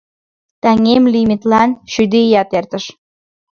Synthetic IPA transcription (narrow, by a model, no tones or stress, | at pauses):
t̪æŋemlimit̪lɑnʃyd̪ejɑt̪ert̪əʃ